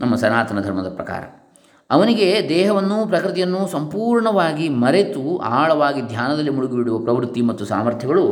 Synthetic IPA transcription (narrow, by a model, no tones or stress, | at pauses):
nɐmːɐsɐnaːt̪ɐnɐd̪ʱɐɾmɐd̪ɐpɾɐka̰ːɾɐ̰ | ɐʋɐniɡe̞d̪ɛːɦɐʋɐnːupɾɐkɾɨt̪ijɐnːusɐmpuːɾɳɐʋaːɡimɐɾe̞t̪ua̰ːɭɐʋaːɡid̪ʱjaːnɐd̪ɐlːimuɽuɡibiɽuʋɐpɾɐʋɾut̪ːimɐt̪ːusa̰ːmɐɾt̪ʰjɐɡɐɭu